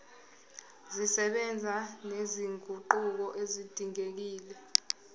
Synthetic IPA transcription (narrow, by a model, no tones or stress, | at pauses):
zisɛɓɛnd͡zʱaneziŋʱuǃuk̬ɔʔezid̥ʱiŋek̬iːlɛ